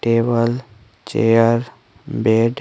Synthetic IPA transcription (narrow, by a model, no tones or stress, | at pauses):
ʈeːbəl | t͡ʃḛjəɾ | beɖ